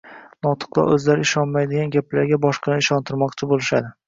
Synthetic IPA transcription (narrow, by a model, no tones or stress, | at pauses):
nɒt̪ʰɨ̥q̚lˠa̰ʔɵzlaɾɪɪʃɒnmajd̪ɪɡʲanɡʲaplaɾɡʲabɒʃqɨnɪɪʃɒnt̪ʰɪɾmɒqt͡ʃʰɪbolɪʃad̪ɪ